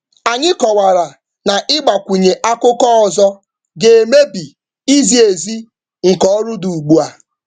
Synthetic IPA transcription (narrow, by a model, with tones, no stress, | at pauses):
a˨ɲɪ˦kɔ˨wa˨ɾa˨ | na˨ʔɪ˦ɡ͡ba˨kʷu˨ɲe˨ʔa˦kʊ˦kɔ˦ɔ˨zɔ˦ | ɡe˨e˨me˦bi˨ | i˦zi˨e˨zi˦ | ŋ̩˨kɔ˦ɔ˦ɾʊ˦du˨u˨ɡ͡bu˦a˨